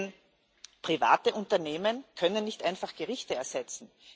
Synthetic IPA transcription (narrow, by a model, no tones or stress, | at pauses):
n | pʁ̥iva̰ːtəʔʊntɐneːmənkʰœnənːɪçtʔãɪnfaχɡ̥əʁɪçtəɛɐz̥ɛt͡sn̩